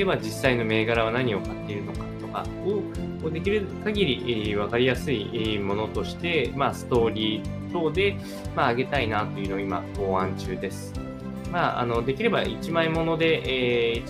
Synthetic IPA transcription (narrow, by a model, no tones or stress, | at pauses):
eβad͡ʑisːaino̞me̞ːɡaɾaβ̞anaɲ̟io̞kat̪ːe̞iɾɯ̟no̞kḁt̪o̞ka̰ | ɯ̟ | koːd̪e̞kʲiɾɯ̟kaɡʲiɾʲiʔβ̞akaɾʲijasɨimo̞no̞t̪o̞ɕi̥t̪e̞masɨ̥t̪o̞ːɾʲiː | t̪o̞ːd̪e̞ | maːɡe̞t̪ainat̪o̞jɯ̟no̞ima̰ko̞ːãɲt͡ɕɨːd̪e̞sɨ̥ | maʔa̰no̞d̪e̞kʲiɾe̞ba̰it͡ɕimaimo̞no̞d̪e̞ʔːi